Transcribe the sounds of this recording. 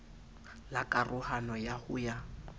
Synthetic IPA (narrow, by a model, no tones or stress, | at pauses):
lakʼarʔʊhanɔjahʊja